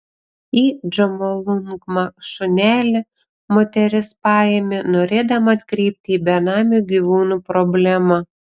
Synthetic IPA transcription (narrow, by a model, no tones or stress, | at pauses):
iːd͡ʒɐmolˠʊŋkmɐʃʊnʲæːlʲɪ | moːt̪ʲɛɾʲɪspɑːjɛmʲɪnoːɾʲeːd̪ɐmɐɐt̪ʲkɾʲɛɪp̚ʲt̪ʲɪiːbʲɛnɑːmʲuːɡʲiʋuːnuːpɾɔbʲlʲæmɐ